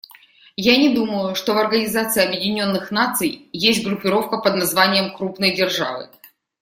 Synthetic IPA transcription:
janʲɪd̪uməjʊʂt̪ovɐrɡənʲɪzat̪sɨɪɐbjɪdʲɪnʲo̞nːɨxnat̪sɨjjesʲt̚ʲɡɾʊpʲɪɾo̞fkəpəd̪nɐzvanʲɪjəmkɾupnəjdʲɪrʐa̰vɨ̰

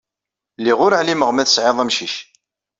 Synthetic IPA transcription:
lːiʁʊɾəʕliməʁmæθəsʕeðˤæmʃiʃ

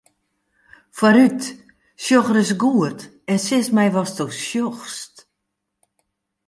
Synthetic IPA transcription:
faɾyt | sjoxərɪs̬ɡuərt | ɛnsɪsmɛjʋɔstosjoxst

